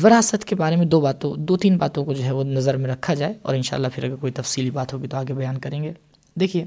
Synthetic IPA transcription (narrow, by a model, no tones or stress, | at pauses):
ʋɪɾaːsət̪kebaːɾemẽd̪oːbaːt̪õd̪oːt̪iːnbaːt̪õkod͡ʒoːɦɛʋonɐzəɾmẽɾɐkʰːad͡ʒaːeɔ̰ːɾɪnʃa̰ːlːapʰɪɾɐɡəɾkoːit̪ɐfsiːlibaːt̪ɦoːɡit̪oaːɡebɐjaːnkɐɾẽːŋɡeː | d̪eːkʰieː